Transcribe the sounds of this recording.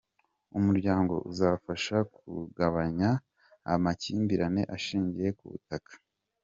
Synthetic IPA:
umuɾɟaːŋɡo̞̰ʔuzafaʃakuɡaβaɲa̰ː | maciːmbiɾane̞ʔaʃiːɲɟije̞kṵβṵtakḁ

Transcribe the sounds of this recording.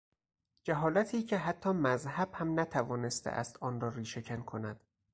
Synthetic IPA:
d͡ʒæɦɒːlæt̪ʰiːcʰe̞ɦæt̪ʰːɒːmæzhæb̥hæmnæt̪ʰævɒːne̞st̪ʰḛʔæ̰st̪ɒːnɾɒːɾiːʃecʰænkʰonæd̪̥

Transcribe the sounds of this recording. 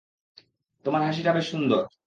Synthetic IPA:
t̪omaɾɦaʃ̬iʈabeʃund̪oɾ

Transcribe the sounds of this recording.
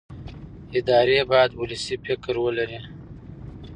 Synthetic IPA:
ɪd̪ɑːɾebɑjad̪uləsifɪkɾwəlaɾi

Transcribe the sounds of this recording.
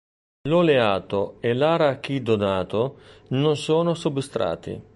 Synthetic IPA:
loleaːt̪oelaːɾak̟id̪onaːt̪ononsoːnosubist̪ɾa̰ːt̪ḭ

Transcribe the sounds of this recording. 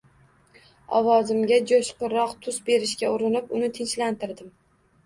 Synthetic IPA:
ɒ̰wɒzɪmɡʲad͡ʒoʃqɨɾːɒqt̪ʰʊsbe̞ɾɪʃkʲaʊɾɪnɪpʊnɪt̪ʰɪnt͡ʃlant̪ɪɾd̪ɪm

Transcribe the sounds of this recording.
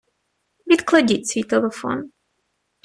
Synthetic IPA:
vʲit̪klˠɐdʲitʲsʲʋʲit̪ɛlˠɛfɔ̰n

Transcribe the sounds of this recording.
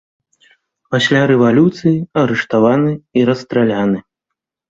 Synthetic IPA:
pasʲlʲaɾɛvalʲut̪sɨjiɐɾɛʂt̪avanɨiɾɐst̪ɾalʲanɨ

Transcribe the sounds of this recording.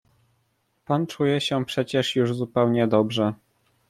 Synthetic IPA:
pant͡ʂujɛɕɛpʂɛt͡ɕɛʂjuʐzupɛwɲɛd̪ɔbʐɛ

